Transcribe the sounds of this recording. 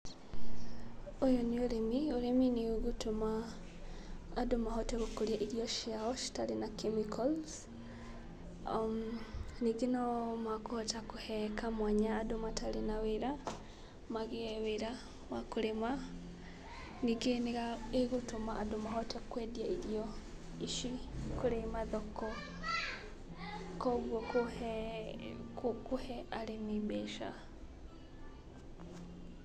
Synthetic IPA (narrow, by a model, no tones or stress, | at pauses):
ojonioɾemioɾeminiɣutoma | domaɦɔtɛɣokoɾjaʔiɾiɔʃiaɔʃi̥talenakemikʰɔls | niɡenamakohɔtakuhɛkʰamwaɲaːdomatʰalenaweɾa | maɣeɛweɾa | wakuɾema | niɡeneɣaeɣutomaʔadomahɔtakwɛdjaiɾjɔ | iʃikuɾemaðɔkɔ | kɔɣwɔk | kuhɛalenibɛʃa̰